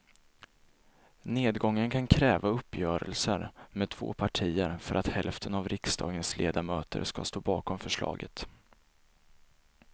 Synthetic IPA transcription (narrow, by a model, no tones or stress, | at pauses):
neːd̪ɡɔŋːənkʰankʰɾɛːvaɵpːjœːɾəlsəɾmɛd̪̚t̪ʰvo̰ːpʰaʈʰiːəɾfœɾʔat̪hɛlft̪ʰənavɾɪkst̪ʰɑ̰ːɡənslʔeːd̪amøːt̪əɾska̰st̪oːbɑːkɔmfœʂɭɑ̰ːɡə̰t̪